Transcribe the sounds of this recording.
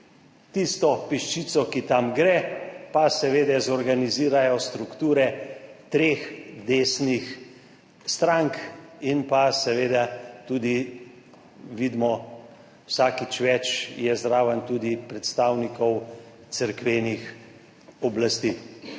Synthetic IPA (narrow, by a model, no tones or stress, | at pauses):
t̪ist̪ɔpiʃt͡ʃiːt̪sɔkit̪amɡɾɛpasɛʋeːd̪ɛzɔɾɡaniziːɾajɔst̪ɾukt̪uːɾɛt̪ɾeːxd̪eːsnix | st̪ɾaŋkinpasɛʋeːd̪at̪uːd̪i | ʋid̪mɔ | wsaːkit͡ʃʋɛt͡ʃjɛzɾaːwənt̪uːd̪ipɾɛt̪st̪aːwnikɔw | t̪səɾkʋeːnix | ɔblast̪iː